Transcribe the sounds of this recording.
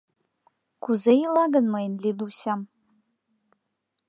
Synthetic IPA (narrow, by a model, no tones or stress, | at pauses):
kuzejilɑɡənmɤjnlʲid̪uɕam